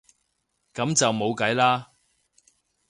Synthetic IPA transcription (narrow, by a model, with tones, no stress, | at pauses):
kɐ˨˥mt͡sɐ˨wmo˨˧wkɐ˨˥jlaː˥